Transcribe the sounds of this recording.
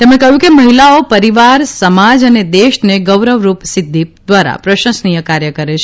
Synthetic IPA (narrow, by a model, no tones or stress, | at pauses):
t̪emɽẽkəɦjũkeməɦilaopəɾiʋaɾsəmad͡ʒəned̪eʃneɡəʋɾəʋɾupsɪd̪ʱːid̪ʋaɾa̰pɾəʃə̃snijəkaɾjəkəɾet͡ʃʰ